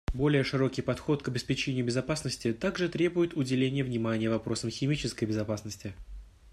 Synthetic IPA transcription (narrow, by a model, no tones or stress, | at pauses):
bo̞lʲɪjəʂɨɾo̞kʲɪjpɐt̪xo̞t̪kəbʲɪspʲɪt͡ɕenʲɪjʊbʲɪzɐpasnəsʲtʲɪt̪aɡʐɨt̪ɾʲe̞bʊjɪt̪ʊdʲɪlʲenʲɪjəvnʲɪmanʲɪjəvɐpɾo̞səmxʲɪmʲit͡ɕɪskəjbʲɪzɐpasnəsʲtʲɪ